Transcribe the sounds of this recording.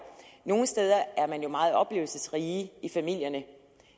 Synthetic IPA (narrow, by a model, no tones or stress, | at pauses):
no̝ːn̩əsd̥eːð̞ˠɐæɐmænjo̝mɑ̈ːð̞̩ˠɒ̽b̥le̝̰ːʊl̩səsʁiːifæmil̰jɐnə